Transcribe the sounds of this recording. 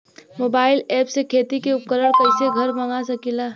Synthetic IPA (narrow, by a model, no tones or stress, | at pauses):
moːbaːɪlɛːpsekʰeːt̪ikeʊp̚kəɾəɽkəɪseɡʱɐɾməŋasəkilaː